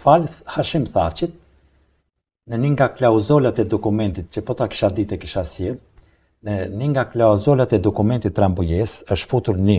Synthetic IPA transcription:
falhaʃimθat͡ʃit̪̚ | nəniŋɡaklawzɔlat̪ɛd̪ɔkumɛnt̪it̪̚cəpɔt̪aki̥ʃad̪it̪ɛkiʃasjɛ | nɛniŋɡaklazɔlat̪ɛd̪ɔkumɛnt̪it̪ːɾambujɛsəʃt̪fut̪uɾni

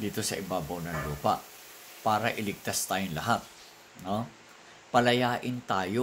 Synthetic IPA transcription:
d̪iːt̪o̞sɐ̰ʔɪbaːbɐwnɐŋluːpɐ̰ʔ | paːɾɐʔɪlɪɡ̚t̪ast̪aːjʊŋlɐɦat̪̚ | no̞ | pɐlɐjaːʔɪnt̪aːjo

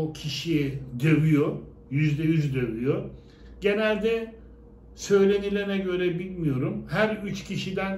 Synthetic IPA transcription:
ocʰiʃiɛd̪øvyjo | jyzd̪ɛjyzd̪øvyjo | ɟe̞nælʲd̪ɛ | sø̞jlʲe̞nilʲeɾnɛɟø̞ɾɛbilʲmijo̞ɾumhæɾyt͡ʃcʰiʃid̪æn

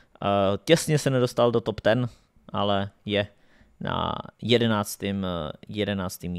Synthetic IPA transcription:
cɛsɲɛsɛnɛdo̞st̪aldot̪opt̪ɛn | ʔalɛjɛ | na̰jɛdɛnaːt͡st̪ɪmjɛdɛnaːt͡st̪im

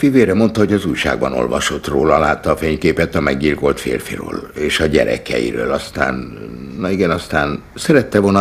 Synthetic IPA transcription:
fiveːɾɛmo̞nt̪ɒɦo̞ɟɒzuːjʃa̰ːɡ̚bɒno̞̰lvɒʃo̞t̪roːlɒlaːt̪ːɒːfeːɲkeːpɛt̪ɒmɛɡɟilko̞lt̪fḛːrfirø̰ːleːʃɒɟɛɾɛ̰kɛjḭɾøːlɒst̪a̰ːnnɒiɡɛnɒst̪aːn | sɛɾɛt̪ːɛvolnɒ

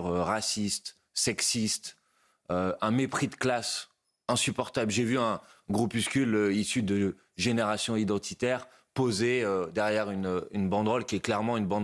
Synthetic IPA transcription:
ʁøʁasist̪ | sɛksist̪ | øɛ̃mepχid̪əklas | ɛ̃sypɔʁt̪ablʒevyɛ̃ɡʁupyskʲyløisyd̪ə | ʒeneʁasjɔ̃id̪ɑ̃t̪ʰit̪ɛʁ | pozeød̪ɛʁjɛʁynøynbɑ̃d̪ʁɔlkʲiɛklɛʁmɑ̃ynbɑ̃

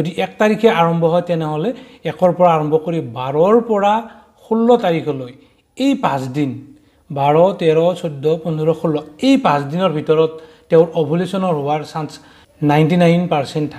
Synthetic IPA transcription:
odiʔɛk̚taɹikʰɛaɹɔmbʱɔɦɔjtɛnɛɦɔlɛɛkɔɹpɔɹaːɹɔmbʱɔkoɹibaɹɔɹpɔɹa | xulːɔtaɹikʰɔloj | ejpãsdin | baɹɔtɛɹɔsʰɔdʱːɔpɔnɔɹɔxʰulːɔejpãsdinɔɹbʱitɔɹɔtː | ɛʊ̃ɹʔɔbʱulesɔnɔɹɦʊwaɹsans | najntinajnpaɹsɛntʰːa

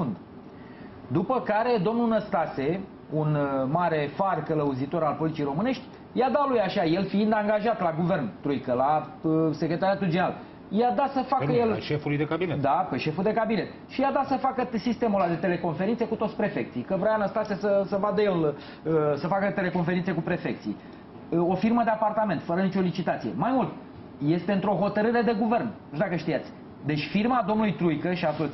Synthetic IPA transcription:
und̪ | d̪upəkaɾe̞d̪o̞mnunəst̪ase | unmaɾe̞farkələuzit̪o̞ɾalpo̞lit̪t͡ʃiejɾo̞mɨne̞ʃt̪ʲ | jad̪alujaʃaje̞lfiind̪aŋɡaʒat̪laɡuve̞rnt̪ɾujkəlaəsekɾʲe̞t̪aɾjat̪uld͡ʒeɾal | jad̪asəfakəjelʃefulujd̪ekabined̪ape̞ʃe̞fuld̪e̞kabine̞t̪ | ʃijad̪asəfakəsist̪e̞mulad̪e̞t̪e̞le̞ko̞nfeɾintse̞kut̪o̞t̪sʲpɾe̞fe̞k̚t̪sijkəvɾajanəst̪at̪sijasəsəvad̪əje̞l | əsəfakət̪e̞le̞ko̞nfeɾint̪sekupɾe̞fe̞kt̪sḭj | o̞firməd̪e̞apart̪ame̞nt̪fəɾənit͡ʃo̞lit͡ʃit̪at̪sijḛmajmult̪ | je̞st̪eɨnt̪ɾo̞ɦo̞t̪əɾɨɾe̞d̪e̞ɡuve̞rnnuʒd̪akəʃt̪ijat̪sʲ | d̪e̞t͡ʃʲfirmad̪o̞mnulujt̪ɾujkəʃiat̪o

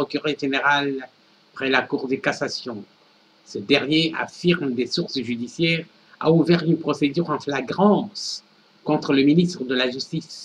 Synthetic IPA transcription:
ɔkʲyʁɛʒeneʁal | pχɛlakuʁd̪əkasasjɔ̃ | səd̪ɛʁnjea̰fiʁmd̪esuʁsʒyd̪isjɛːʁ | a̰uvɛʁynpχɔsed̪yʁɑ̃flaɡʁɑ̃s | kɔ̃t̪χələminist̪χəd̪əlaʒyst̪is

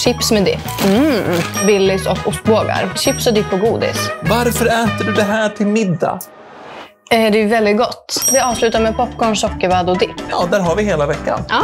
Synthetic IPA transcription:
ɕɪpsmɛd̪ɪ̰p̩ː | bɪlːɪsɔkːʊst̪̚boːɡa̰ɾɕɪpsɔd̪ɪpːɔɡuːd̪ɪ̰svaɾfœɾɛːt̪əɖɵd̪ɛɦæːʈʰɪlmɪd̪ːa̰ | ɛːd̪ɛjɛvɛld̪ɪt̪̚ɡɔt̪ːvɪɑːvslʉ̟ːt̪aɾmɛpʰɔpːɡɔɳsɔkːəɾvaːd̪ɔd̪ɪpːɑ̰ːd̪æːɾɦaɾvɪɦeːlavɛkːa̰nɑː

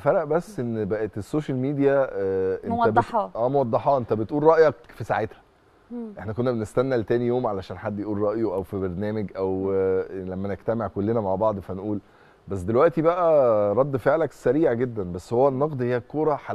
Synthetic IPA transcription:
fæɾˤæʔbæsːʔenːbæʔet̪esːoːʃælmiːd̪ijæʔenæb̪ʔæːmowɑd̪ˤːɑħɑːʔent̪æbet̪ʔuːlɾˤɑʔjɑkfisa̰ʕet̪hæ̥ | ʔeħnækonːæbenest̪ænːælt̪æːnijoːmʕalæʃæːnħad̪ːjeʔuːlɾˤɑʔjoʔæwfibeɾnæːmeɡʔæw | læmːæneɡt̪æmeʕkolːenæmaʕbɑʕd̪ˤfænʔuːl | bæsːd̪elwæʔt̪ibæʔæɾˤɑd̪ːfeʕlæksæɾiːʕɡed̪ːænbæsːhowːænːɑqd̪ˤhejːækːoːɾˤɑħa

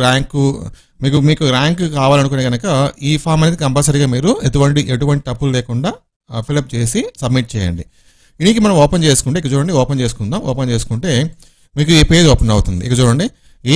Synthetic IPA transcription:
aːŋku | miːkumiːkuɾaːŋkkaːʋaːlɐnukoneːɡɐnɐkɐiːpʰaːɾmɐned̪ikɐmpɐːlsɐɾiɡaːmiːɾuet̪̬uʋɐɳʈiʔeʈuʋɐɳʈit̪ɐpːullɛːkuɳɖaː | pilɐp̚t͡ʃe̞ːsisɐbmiʈ̚t͡ʃɛːjɐ̰ɳɖi | inik̬imɐnɐmɔːpent͡ʃe̞ːsu̥kuɳʈeːkːɐt͡ʃuːɽɐɳɖiɔːpent͡ʃe̞ːsu̥kund̪aːmɔ̰ːpent͡ʃe̞ːsu̥kuɳʈe̞ː | miːkuepeːd̪iɔːpɐnɐwut̪und̪iʔikɐt͡ʃuːɽɐɳɖi | eː

